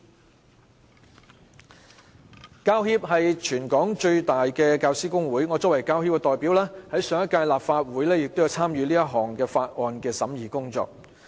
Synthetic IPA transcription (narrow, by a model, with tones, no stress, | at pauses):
kaː˧whiː˧˥p̚ɦɐ˨jt͡ʃʰyː˨˩nkɔː˨˥ŋt͡ʃɵ˧ɥt̪aː˨jkɛː˧kaː˧wsiː˥kʊ˥ŋwuː˨˥jŋɔː˨˧t͡sɔː˨˥wɐ˨˩jkaː˧whiː˥p̚kɛ˧t̪ɔː˨˩jpiː˨˥wlɛː˥hɐ˨˥jsœː˨˧ŋjɐ˥t̚kaː˧jlaː˨pfaː˧t̚wuː˨˥jlɛː˥jɪ˨k̚t̪o˥wjɐ˨˧wt͡sʰaː˥mjyː˨˧liː˥jɐ˥t̚ɦɔː˨˩ŋkɛː˧faː˧t̚ʔɔː˧nkɛː˧sɐ˨˥mjiː˨˩kʊ˥ŋt͡sɔ̰ː˧k̚